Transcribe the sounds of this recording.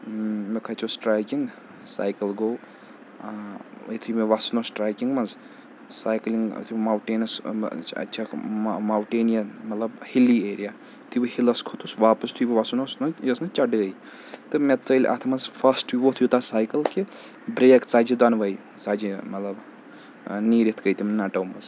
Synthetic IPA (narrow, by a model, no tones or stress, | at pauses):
mekʰɐt͡ʃʰosʈɾaːjkiŋɡ | sa̰ːjkɐlɡow | it̪ʰujmeʋasnosʈɾaːjkiŋɡmɐnz | saːjkliŋɡ̰t̪ʰumawʈeːnɐsɐ̰t͡ʃʰamawʈeːnijɐnmɐt̪lɐbhilieːɾija | t̪ʰubihilɐskʰot̪ʰusʋaːpɐst̪ʰuibiʋasunosnɐjɐsnɐt͡ʃɐɖɡɐj | t̪ɨmet̪t͡sɐilʲʔɐ̰t̪ʰmɐzpʰɐsʈiʋot̪ʰujut̪asaːjkɐlki | bɾeːkt͡sad͡ʒid̪ɐnʋɐj | t͡sad͡ʒimɐt̪lɐb | niːɾit̪ʰɡɐjt̪imnɐʈɐwmɐz